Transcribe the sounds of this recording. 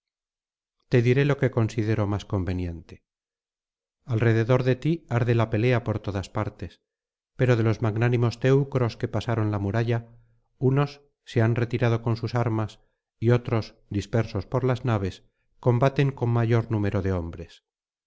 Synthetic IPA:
t̪e̞ðiɾe̞lo̞ke̞ko̞nsiðe̞ɾo̞masko̞mbe̞nje̞nt̪e̞̥ | alre̞ðe̞ðo̞ɾðe̞t̪iaɾðe̞lape̞le̞apo̞ɾt̪o̞ðaspaɾt̪e̞s | pe̞ɾo̞ð̞e̞lo̞zmaɡnanimo̞st̪e̞wkɾo̞ske̞pasaɾo̞nlamuɾaʝa | uno̞sː | e̞anre̞t̪iɾað̞o̞ko̞nsusaɾmas | io̞t̪ɾo̞s | d̪ispe̞ɾso̞spo̞ɾlaznaβe̞s | ko̞mbat̪e̞ŋko̞ŋmaʝo̞ɾnume̞ɾo̞ðe̞o̞mbɾe̞s

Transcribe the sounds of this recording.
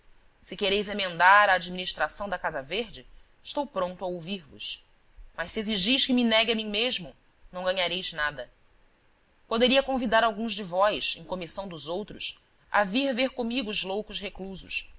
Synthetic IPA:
sɪkeɾejzemẽnd̪aɾaːd͡ʒiminiʃt̪ɾasɐ̃w̃d̪ɐkazɐveɾd͡ʒɪ | ɪʃt̪owpɾõnt̪ʊɐowviɾvʊ̰s | mɐʃsieziʒijʃkɪminɛɡɪɐmĩŋ̃meʒmʊ | nɐ̃w̃ɡɐɲaɾejznad̪ɐ | pod̪eɾiɐkõvid̪aɾawɡũzd͡ʒɪvɔjsẽj̃komisɐ̃w̃d̪ʊzowt̪ɾʊs | ʔa̰viɾveɾkõmiɡʊːzlowkʊsɦekluzʊ̰s

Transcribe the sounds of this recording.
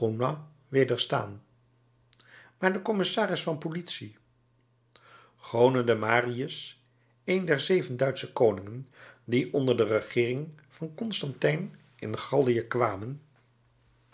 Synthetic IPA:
ona | ʋeːdəɹsta̰ːn | maːɹdəkɔmɪsaːrɪsfɑnpolitsi | χownədəmaːriəs | ejndɛɹzejvəndœɥtsəkownɪŋəndiʔɔndəɹdərəχɪːrɪŋ | v̥ɑnkɔnstɑntɛjn | ɪ̰nχɑlˠdijəkʋaːmən

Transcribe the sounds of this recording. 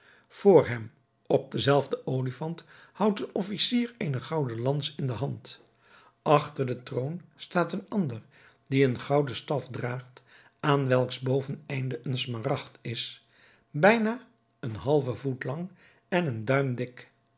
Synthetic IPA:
v̥ʊːɹɦɛm | ɔb̚dəzɛlˠvdəʔowlifɑnthʌwtənɔfisiːɹejnəχɑwdəlɑnsɪndəɦɑnt | ɑχtəɹdətrownstaːtənɑndər | diənχɑwdəstɑfdraːχt | ʔaːnʋɛlˠkzbowvənɛjndəʔənsmarɑχtɪs | bɛjnaː | ənɦɑlˠvəvutlɑŋ | ɛnəndœɥmdɪk

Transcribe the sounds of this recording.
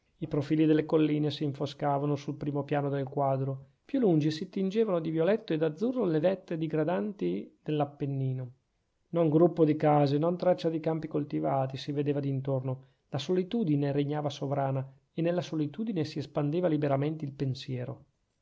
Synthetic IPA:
ipɾofiːlid̪elːekolːiːnesiːɱfoskaːvanosulpɾiːmopjaːnod̪elkwaːd̪ɾo | pjulːund͡ʒisit̪ind͡ʒeːvanod̪ivjolɛt̪ːoed̪ad̪zːurːolevɛt̪ːed̪iɡɾad̪ant̪id̪elːapːenːiːno | noŋɡɾupːod̪ikaːzenɔnt̪ɾat͡ʃːad̪ikampikolt̪ivaːt̪isived̪eːvad̪int̪orno | lasolit̪uːd̪ineɾeɲːaːvasovɾaːna | enːelːasolit̪uːd̪inesiespand̪eːvalibeɾament̪eilpensjɛːɾo

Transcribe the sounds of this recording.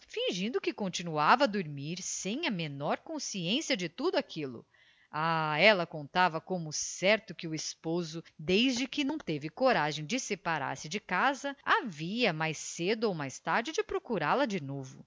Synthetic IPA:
fĩʒĩnd̪ʊkɪkõnt͡ʃinuavɐd̪oɾmiɾsẽj̃ɐmenɔɾkõsiẽsiɐd͡ʒɪt̪ud̪ʊakʰilʊ̰ | aɛlɐkõnt̪avɐkõmʊsɛɾt̪ʊkɪʊɪspozʊd̪ejzd͡ʒɪkɪnɐ̃w̃t̪evɪkoɾaʒẽj̃d͡ʒɪsepaɾa̰ɾsɪd͡ʒɪkazɐaviɐmajsed̪ʊowmajst̪aɾd͡ʒɪd͡ʒɪpɾokuɾalɐd͡ʒɪnovʊ̰

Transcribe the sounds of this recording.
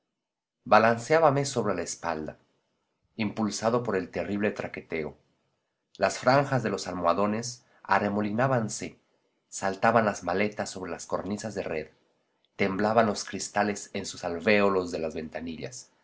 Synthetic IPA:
balansjaβameso̞βɾe̞laespald̪a | impulsaðo̞po̞ɾe̞lt̪e̞riβle̞t̪ɾake̞t̪e̞o | lasfɾaŋxazðe̞lo̞salmwaðo̞ne̞s | a̰re̞mo̞linaβanse̞ | salt̪aβanlazmale̞t̪aso̞βɾe̞lasko̞ɾnisazðe̞re̞ð | t̪e̞mblaβanlo̞skɾist̪ale̞sensusalfe̞olo̞zðe̞lazβe̞nt̪aniʎa̰s

